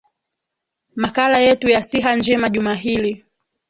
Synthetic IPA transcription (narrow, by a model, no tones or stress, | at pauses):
makalajɛtujasiɦand͡ʒɛmaʄumaɦili